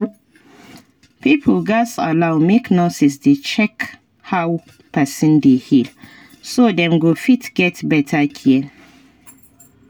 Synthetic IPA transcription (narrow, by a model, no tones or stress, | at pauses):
pipʰəlɡasa̰lawmeknosisdet͡ʃɛk | haw | pɛsɔ̃ndehil | sodɛ̃mɡofitɡ̥ɛtbɛtʰakʰin